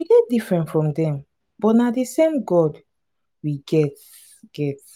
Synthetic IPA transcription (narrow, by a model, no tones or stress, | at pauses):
wiɡɛt̚difɹɛ̃ntfɹɔ̃mdɛ̃m | b̥ɔtnadesẽmɡɔd | wiɡɛt | ɡ̥ɛt